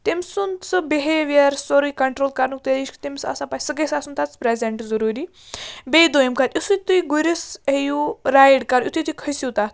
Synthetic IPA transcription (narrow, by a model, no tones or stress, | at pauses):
t̪imʲsunt͡sɨbiɦeːʋjɐɾsoɾukɐɳʈɾoːlkɐɾnuk̚t̪ediʃkt̪imʲsɐ̰sãpasɨɡɐsaːsunt̪at͡spɾezeɳʈzɐɾuːɾiː | bed̪oːjmkʰat̪ʲjisut̪ujɡuɾisejuɾaːjɽkɐɾjut̪uijt̪uijkʰəjsit̪at̪̚ʰ